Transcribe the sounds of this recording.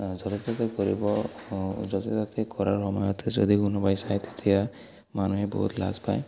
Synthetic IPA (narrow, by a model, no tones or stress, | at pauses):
d͡ʒɔt̪et̪at̪ekɔɾibɔ | d͡ʒɔt̪et̪at̪ʰekɔɾaɹɦɔmɔjɔt̪ʰed͡ʒɔ̰d̪ikunɔbajsajt̪e̥t̪ʰija | manuɦebɔ̰ɦut̪la̰zpa̰j